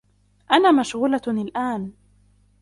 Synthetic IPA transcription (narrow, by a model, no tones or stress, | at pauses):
ʔanaːmaʃɣuːlanɪlʔaːn